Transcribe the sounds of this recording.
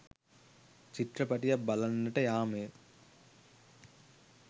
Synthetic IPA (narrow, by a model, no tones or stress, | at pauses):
t͡ʃiʈrəpaʈijak̚balanːəʈəjaːmejə